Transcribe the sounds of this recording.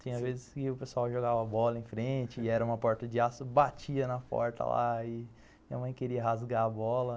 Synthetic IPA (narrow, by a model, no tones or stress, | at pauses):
t͡ʃĩɲɐ̃azvezɪskɪʊpesuawʒoɡavɐbɔlɐẽj̃fɾẽt͡ʃɪɛɾɐũmɐpɔɾt̪ɐd͡ʒɪasʊbat͡ʃiɐnɐpɔ̰ɾt̪ʰɐ̰la̰ɪ | mĩɐmɐ̃j̃keɾiɐɦazɡaɐbɔlɐ